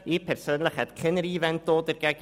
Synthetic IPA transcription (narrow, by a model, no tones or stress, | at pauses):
ipʰɛrsəːnləχɛtkʰɪnəɾiːvɛnt̚d̥oːdərɡɛɡ